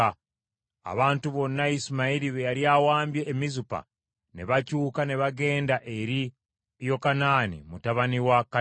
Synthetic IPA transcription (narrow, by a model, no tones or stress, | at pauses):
a̰βaːntuβo̞nːaisimaiɾiβejaɾjawaːmbje̞ʔːmizupa̰ | ne̞βacuːkane̞βaɡe̞ːndaʔe̞ɾi | jo̞kanaːnḭmutaβaniwaka